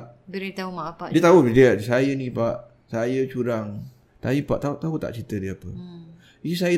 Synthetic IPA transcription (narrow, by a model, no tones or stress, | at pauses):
bəɾit̪aumaʔpaʔdiət̪audiəsajənĩpaʔ | sajət͡ʃuɾaŋ | t̪aipaʔt̪at̪aɦut̪a̰ʔt͡ʃit̪ədiəapə̰ | isajə